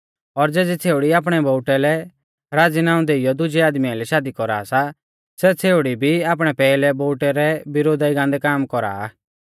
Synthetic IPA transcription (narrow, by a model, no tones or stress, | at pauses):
ɔɾd͡zɛːd͡zɛt͡sʰeːʊɽiaːp̬ɽ̃ɛbɔʊʈɛlɛ | ɾaːd͡zinãːʊ̃nd̪eɪjɔd̪ʊd͡ʒɛaːd̪mijalɛʃaːd̪ikɔɾa̰sa | sɛt͡sʰeːʊɽibʱiaːp̬ɽ̃ɛpɛːlɛbɔːʈɛɾɛbɪɾoːd̪aiɡãːnd̪ɛkaːmkɔɾa̰ː